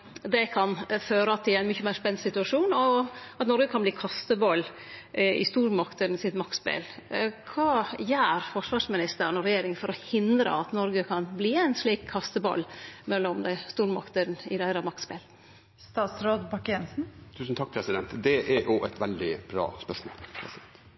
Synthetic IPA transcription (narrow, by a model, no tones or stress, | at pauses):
d̪ɛkʰɑnføːɾəɑt̪ʰːɪlæɪnmʏçːəmæɪɾspɛnːsɪt̪ʉɑʂuːnɔɑt̪nɔɾɡəkʰɑnbliːkʰɑst̪əbɑlː | ɪ̰st̪uːɾmɑkt̪ənsɪt̪mɑk̪spḛːlkʰʋɑːjæːɾfɔʂʋɑːɾʂmɪnɪst̪əɾənɔɾɛjeːɾɪŋfɔɾɔhɪnd̪ɾə̰ɑt̪nɔɾɡəkʰɑnbliːæɪnsɭiːkʰɑst̪əbɑ̰lːmɛlːɔmd̪æɪst̪uːɾmɑ̰kt̪əɾnɪd̪æɪɾɑmɑkspḛːl | st̪ɑːt̪sɾoːd̪bɑkɛnsn̩t̪ʰʉːsn̩t̪ʰɑk̚ːpʰɾɛsɪd̪ɛnt̪d̪ɛʔæʔoːɛt̪ʋɛld̪ɪb̥ɾɑ̰ːspœʂmo̰ːlpʰɾɛ̰sɪd̪ɛnt̪